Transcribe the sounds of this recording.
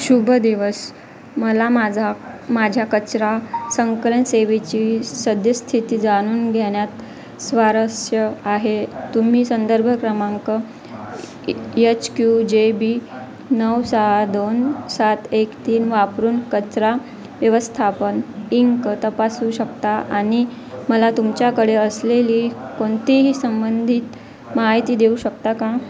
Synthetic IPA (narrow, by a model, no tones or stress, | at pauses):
ɕubʱəd̪iʋəs | məlamad͡zamad͡ʑʱjakət͡ɕɾasəŋklənseʋet͡ɕisəd̪jəst̪ʰit̪iːd͡zaɽ̃uːnɡʱeɳjat̪ | sʋaɾəsjəaɦet̪um̤iːsənd̪əɾbʱəkɾəmaŋkə | jet͡ɕkjud͡ʑebi | nəwsəɦad̪onsat̪ekt̪iːnʋapɾuːnkət͡sɾa | ʋjəʋəst̪ʰapəniŋkət̪əpasuːɕəkt̪aaɽ̃i | məlat̪umt͡ɕjakəɽeəsleliːkoɳt̪iɦiːsəmbənd̪ʱit̪ | maɦit̪iːd̪euɕəkt̪akã